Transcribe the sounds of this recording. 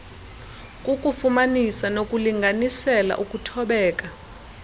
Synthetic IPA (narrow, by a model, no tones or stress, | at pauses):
kʼukʼufumanisanokʼuliŋɡʱanisɛla̰ʔukʼutʰɔɓɛːkʼa